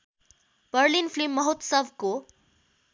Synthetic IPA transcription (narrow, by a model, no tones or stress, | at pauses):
bʌrlinpʰlimːʌɦot̪sʌbko